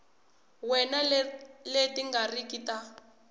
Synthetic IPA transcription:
wɛnaletiŋɡarikita

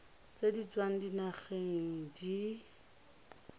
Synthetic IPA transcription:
t͡sedit͡swaŋ̩dinaχeŋŋ̩di

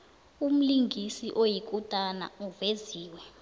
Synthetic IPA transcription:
um̩liŋɡʱisiʔojik̬ʼutʼana̰uveziːwɛ

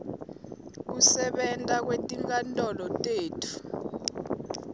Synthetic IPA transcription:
k̬usɛɓɛntʼak̬wetʼiŋkʼantʼɔlɔtʼeːtʰu̥

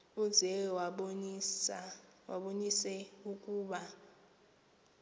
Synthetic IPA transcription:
uz̥ʱɛwa | wa̰ɓonisɛukʼuːɓa

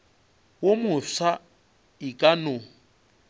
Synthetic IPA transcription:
womʊsa | ɪkʼanʊ

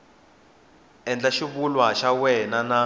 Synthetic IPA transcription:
ɛnd͡ɮaʃiβulwaʃawɛnana

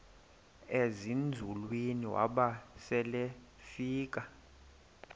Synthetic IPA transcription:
ezind͡zʱulwiniwa̰ɓasɛle | fiːk̬ʼa

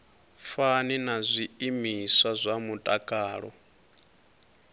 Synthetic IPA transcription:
faninazʷiimiswazʷamutʼakʼaːɺɔ̰

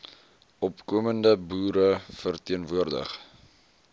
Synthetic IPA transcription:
ʔɔpkuəməndəbuːɾəfərtiənvuərdə̰χ

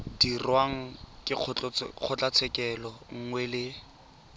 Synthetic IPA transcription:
d̥irwaŋ̩kʼɪq͡χʰt͡ɬq͡χʰʊt͡ɬʼat͡sʰɛkʼɛlɔŋ̩ŋwɛlɪ

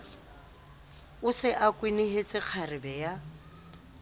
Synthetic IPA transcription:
ʊsɪʔakʼwinɪɦet͡sʼɪq͡χʰarɪbɛja

